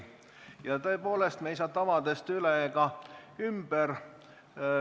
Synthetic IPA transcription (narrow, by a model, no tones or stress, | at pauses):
jɑt̪ɤ̞epo̞ːle̞st̪meis̬ɑːt̪ɑvɑd̪est̪yleɡ̥ɑymb̥er